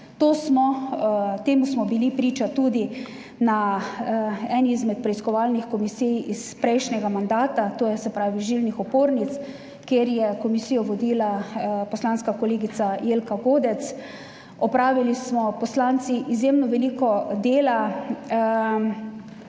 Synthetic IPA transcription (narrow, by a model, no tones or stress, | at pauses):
t̪oːsmɔ | t̪eːmusmɔbilipɾiːt͡ʃat̪ud̪i | na | ɛnizmɛt̪̚pɾɛiskɔʋaːlnixkɔmisijispɾɛjʃnɛɡamand̪aːt̪at̪oːjɛsɛpɾaːʋiʒilnixɔpoːɾnit̪s | keːɾjɛkɔmisijɔʋɔd̪iːlapɔslanskakɔleːɡit̪sajeːlkaɡoːd̪ɛt̪s | ɔpɾaːʋilismɔpɔslant̪siʔizjemnɔʋɛliːkɔd̪eːla